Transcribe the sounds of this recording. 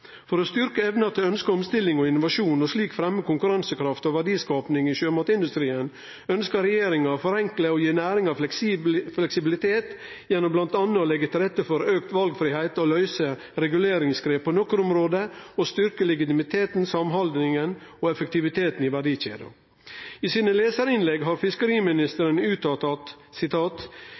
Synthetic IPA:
fɔɾoːst̪ʏɾkəɛʋnɑt̪ʰɪlœnskəɔmst̪ɪlːɪŋɔɪnːʊʋɑʃuːnɔsliːkfɾɛmːəkʊŋkʉɾɑnsəkʰɾɑft̪oːʋæɖiːskɑːpnɪŋiːʃøːmot̪ɪnd̪ʉst̪ɾiːən | œnskəɾɛjeːɾɪŋɑfɔɾɛŋkləoːjiːnæːɾɪŋɑʋ̪ | flɛksɪbɪlɪt̪ʰeːt̪ | jɛnːɔmblɑnt̪ɑnːəoːlɛɡːət̪ʰɪlɾɛt̪ːəfɔɾøːkt̪ʋɑlɡfɾɪːhæɪt̪oːlœʏsə | ɾɛɡʉleːɾɪŋsɡɾeːppʰoːnɔkːɾʊmɾoːd̪əoːst̪ʏɾkəlɛɡɪt̪ɪmɪt̪ʰeːt̪n̩sɑmɦɑld̪nɪŋənoːɛfək̚t̪ɪʋɪt̪ʰeːt̪n̩iːʋæɖiːçḛːd̪ʊ̰ | iːsiːnəleːsəɾɪnlɛɡɦɑːɾfɪskəɾiːmɪnɪst̪əɾənʉːt̪ɑt̪ɑt̪sɪt̪ʰɑːt̪

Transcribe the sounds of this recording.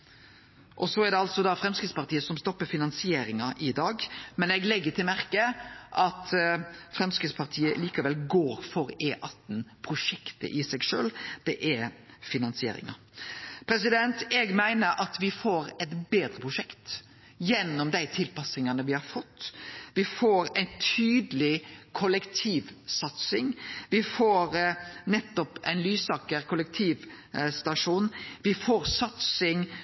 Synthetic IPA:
ʔɔsɔæɾɖ̪ɛɑlt̪sɔd̪ɑfɾɛmskɪt̪spɑʁt̪ʰiːəsɔmst̪ɔpːəfɪnɑnsɪeːɾɪŋɑʔɪd̪ɑːɡmɛnɛɡlɛɡːət̪ʰɪlmæɾkəʔɑt̪fɾɛmskɾɪt̪spʰɑʁt̪ʰiːəliːkɑʋɛlɡoːɾfɔɾeːʔɑt̪n̩pʰɾʊʂɛkt̪ə̰ʔɪsɛɡʃø̰ːld̪̥ɛʔɛɾfɪnɑnsɪḛːɾɪ̰ŋɑ̰ | pʰɾɛs̬ɪd̪ɛnt̪ɛɡmæɪnəɾʔɑt̪ʋɪfoːɾɛt̪beːd̪ɾəpʰʁʊʂɛkt̪ | jɛnːɔmd̪æɪt̪ʰɪlpɑsɪŋɑnəʋɪhɑɾfɔt̪ːʋɪfoːɾæɪnt̪ʰyːd̪əlɪkʰɔlɛkt̪ʰiːʋsɑt̪sɪŋʋɪfoːɾnɛt̪ːɔpæɪnlyːsɑːkəɾkʰʊlɛk̚t̪ʰiːʋ | st̪ɑʂuːnʋɪfoːɾsɑt̪sɪŋ

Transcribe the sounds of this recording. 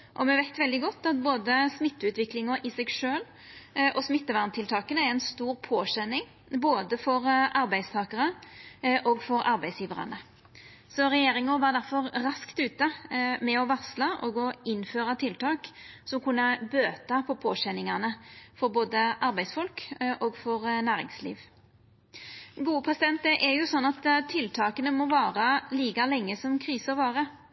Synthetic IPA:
ʔɔmɛʋæɪt̪ʋɛld̪ɪɡɔt̪ːɑt̪̚boːd̪əsmɪt̪ːəʉːt̪ʋɪklɪŋʊʔɪsɛɡʂøːl | ʔɔsmɪt̪ːəʋɑʁmt̪ʰɪlt̪ʰɑːkənəæɾɛɪnst̪uːɾpʰoːɕɛnːɪŋ | boːd̪əfɔɾʔɑɾbæɪst̪ʰɑːkəʁə | ʔɔːɡfɔɾɑɾbæɪsjiːʋəʁɑ̰nə | sɔɾɛjeːɾɪŋʊʋɑʁd̪æɾfɔɾɾɑskt̪ʉːt̪əmɛɔʋɑʁslɑʔɔɡɔɪnføːɾɑt̪ʰɪlt̪ʰɑːksɔmkʰʊnːəbøːt̪ɑpʰɔpʰoːɕɛnːɪŋɑnəfɔɾboːd̪əʔɑɾbæɪsfɔlkʔɔːɡfɔɾnæːɾɪ̰ŋslḭːʋ | ɡuːəpʰʁɛsɪd̪ɛnt̪əʔɛɾjʊsɔnːɑt̪ʰːɪlt̪ʰɑːkənəmɔʋɑːʁɑliːkɑlɛŋːəsɔmkʰʁiːsəɔʋɑːʁə

